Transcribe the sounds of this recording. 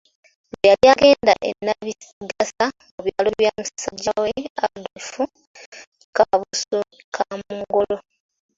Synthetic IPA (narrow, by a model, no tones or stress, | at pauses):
bejaɾjaɡe̞ːndaʔenːaβiɡasa | oβjaːloβjaːmussaɟːaweadufu | kaβusukʰamuŋɡo̞lo